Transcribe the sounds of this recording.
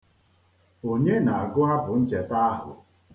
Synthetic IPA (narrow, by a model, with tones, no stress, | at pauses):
o˨ɲe˦na˨a˨ɡʊ˦ɦa˦bʊ˨n̩˦d͡ʒe˨ta˦a˦ɦʊ̰˨